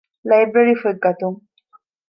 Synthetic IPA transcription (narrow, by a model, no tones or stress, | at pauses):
lajbɾeɾifuɡɐt̪uŋ